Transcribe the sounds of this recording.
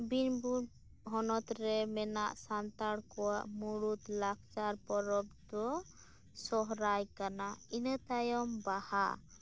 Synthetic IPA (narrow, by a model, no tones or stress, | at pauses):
binbuɽ | ɦɔnɔt̪ɾɛmɛnaʔsant̪aɽkɔwaʔmuɽut̪lak̚ʰt͡ʃaɾpɔɾɔb̚d̪ɔ | sɔɦɾajkanainət̪ajɔmbaha